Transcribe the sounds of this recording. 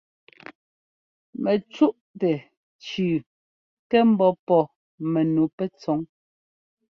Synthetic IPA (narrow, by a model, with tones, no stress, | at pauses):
mɛ˨t͡ʃu˦ʔ | tɛ˨ | t͡ʃʉː˨ | kɛ˦m̩˦bɔ˦pɔ˨ | me˨nu˨pɛ˦t͡sɔ˨˦ŋ